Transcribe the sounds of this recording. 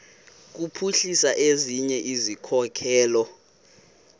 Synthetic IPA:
k̬upʰuɬisaʔeziɲɛʔizikʰɔkʰɛːlɔ

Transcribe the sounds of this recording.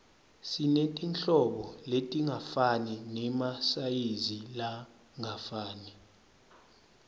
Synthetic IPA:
sinetʼinɬɔɓɔletʼiŋafaninɛmasajizila | ŋafaːni

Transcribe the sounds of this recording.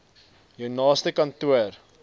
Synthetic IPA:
jəwnɑːstəkɐntuər

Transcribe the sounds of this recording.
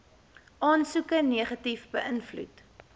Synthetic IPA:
ʔɑːnsukəneəχɐtifbəʔənflṵt

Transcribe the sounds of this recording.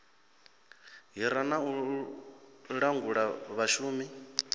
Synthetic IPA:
ɦiɾanau | ɺaŋɡuɺaβaʃuːmi

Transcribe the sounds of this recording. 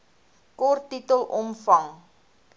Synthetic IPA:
kɔrtːitəlˠʔɔmfɐŋ

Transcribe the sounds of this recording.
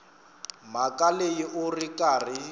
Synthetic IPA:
makʼalejiʔʊrikʼarɪ

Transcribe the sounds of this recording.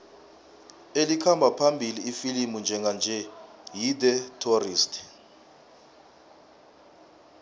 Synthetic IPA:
elikʰambʱapʰambʱiliːfilimund͡ʒʱɛŋɡʱand͡ʒʱɛjidɛtʰoriːstʰʼ

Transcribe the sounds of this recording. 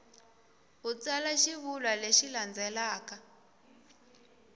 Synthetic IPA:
ɦut͡salaʃiβulwaleʃiland͡zɛlaːka

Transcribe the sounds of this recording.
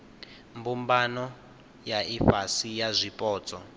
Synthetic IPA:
mbumbanɔ | jaifasijazʷipʼɔːt͡sʼɔ

